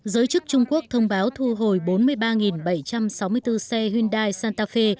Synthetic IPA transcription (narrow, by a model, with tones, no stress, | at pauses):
zəː˨˦jt͡ɕɨ˦˥k̚t͡ɕʊ˧ŋ͡mku˦˥ək̚t̪ʰə˧wŋ͡mɓaː˨˦wt̪ʰu˧ɦo˨˩jɓo˨˦nmɨ˧əjɓaː˧ŋi˨˩nɓə˧˩jt͡ɕa˧msa˨˦wmɨ˧əjt̪ɨ˧sɛ˧hwi˧ənɗaː˧jsaː˧nt̪aː˧fe˧